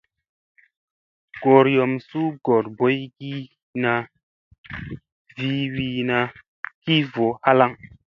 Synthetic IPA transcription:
ɡ̥o˨ɾjɔ˨msu˦ɡo˨ɾbo˨˦jɡi˦ | na˧ | vi˦wi˨na˧ | ki˦vo˨ha˦la˦ŋ

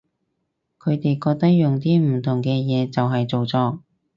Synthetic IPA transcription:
kʰɵ˨˧ɥt̪e˨jkɔː˧k̚t̪ɐ˥k̚jʊ˨ŋt̪iː˥m̩˨˩t̪ʰʊ˨˩ŋkɛː˧jɛː˨˧t͡sɐ˨wɦɐ˨jt͡so˨wt͡sɔː˧

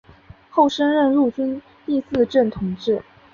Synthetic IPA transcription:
xo˥˩ʊʂə˥nɻə˥˧nɻu˥˩t͡ɕy˥n | t̪i˥˧sɹ̩˥˧ʈ͡ʂə˥˩nt̪ʰʊ˧˥ŋʈ͡ʂɻ̩˥˩

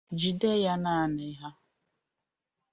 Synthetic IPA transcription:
d͡ʒi˨de˦˨ja˦na˦˨nɪ˨˦ɦa˦

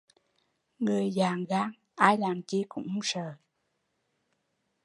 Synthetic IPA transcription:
ŋɨ˨˩əjzaː˨˩ŋɣaː˧˥ŋ | ʔaː˧jlaː˨˩mt͡ɕi˧kʊ̰˧˥ŋ͡msəː˨˩

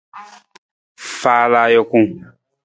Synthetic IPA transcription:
faː˦la˧˦jɔ˧kũ˦˨

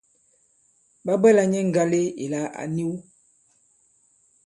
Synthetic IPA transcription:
ba˦bɛ˦la˨ɲɛ˦ŋ̩˨ɡa˦le˦ḛ˨la˨a̰˨ni˦w

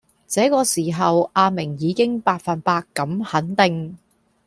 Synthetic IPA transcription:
t͡sɛː˨˥kɔː˧siː˨˩ɦɐ˨wʔaː˧mɪ˨˩ŋjiː˨˧˥kɪ˥ŋpaː˧t̚fɐ˨npaː˧kːɐ˨˥mhɐ˨˥nt̪ɪ˨ŋ

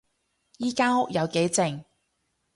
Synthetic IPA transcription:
jiː˥kaː˥ɦʊ˥k̚jɐ˨˧wke˨˥jt͡sɪ˨˩ŋ

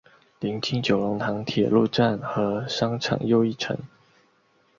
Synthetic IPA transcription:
li˧˥ŋt̪ʰi˥ŋt͡ɕjo˨˩ʊlʊ˧˥ŋt̪ʰɑ˧˥ŋt̪ʰjɛ˨˩lu˥˧ʈ͡ʂa˥˩nxɤ˧˥ʂɑ˥ŋʈ͡ʂʰɑ̰˨˩ŋjo˥˧ʊi˥˩ʈ͡ʂʰə̰˧˥˦ŋ

